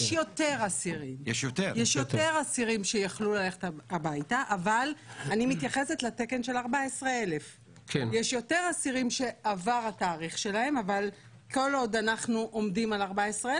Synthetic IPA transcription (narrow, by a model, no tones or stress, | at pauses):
jeʃjo̞te̞ʁasiʁimjeʃjot̪eʁjeʃjote̞ʁasiʁimʃe̞jaχlulale̞χet̪aabajtaʔavalanimit̪jaχese̞t̪lateke̞nʃe̞laʁbaesʁeele̞f | kʰenjeʃjo̞te̞ʁasiʁimʃe̞ʔavaʁataːʁiχʃe̞lae̞maval | ko̞lo̞d̪anaχnuʔo̞mdimalaʁbaesʁe